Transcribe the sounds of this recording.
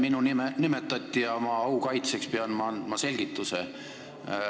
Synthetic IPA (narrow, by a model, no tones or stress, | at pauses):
minunimnimet̪ːˑɑt̪ʲːˑijɑomɑɑukɑjt̪se̞kspeɑnmɑɑnd̪̥mɑse̞lʲɡ̥it̪ːˑuse